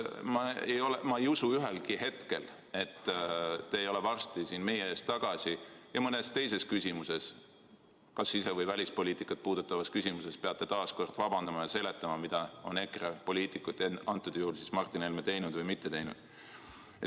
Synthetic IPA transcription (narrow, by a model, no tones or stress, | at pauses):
mɑejo̞lemɑejusuyɦe̞lkihe̞t̪ke̞̰l | e̞t̪ːt̪ːeejo̞levɑrst̪isiːnme̞jeeːst̪ːɑɡ̥ɑsijɑmɤnest̪e̞js̬e̞skysimuse̞s | kɑsːise̞vɤjvælʲispo̞liːt̪ikːˑɑt̪̚puːd̪̥ut̪ːˑɑvɑskysʲimuse̞spe̞ɑt̪ːe̞t̪ɑːsko̞rd̪̥vɑbɑnd̪ɑmɑjɑse̞le̞t̪ːˑɑmɑmid̪̥ɑo̞̰ne̞krepo̞lʲiːt̪ˑikːˑut̪ːˑeɑnt̪ːˑud̪̥juhulsismɑrt̪ːˑinelmet̪e̞jnud̪vɤjmit̪ːee̞jnṵd̪̥